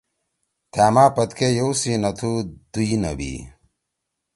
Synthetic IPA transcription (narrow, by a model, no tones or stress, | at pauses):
t̪ʰaːmaːpɐt̪kʰejowsinɐt̪ʰud̪̥uinɐ̰bḭː